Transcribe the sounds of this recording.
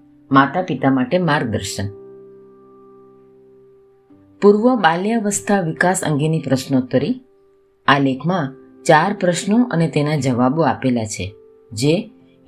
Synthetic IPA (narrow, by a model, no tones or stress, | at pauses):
mat̪apit̪amaʈemaɾɡ̚d̪əɾʃən | puɾʋəbaljaʋəst̪ʰaʋikasə̰ŋɡenipɾəʃnot̪əɾi | alekʰmã | t͡ʃaɾpɾəʃnoʔə̰net̪enad͡ʒəʋaboapelat͡ʃʰḛ | d͡ʒe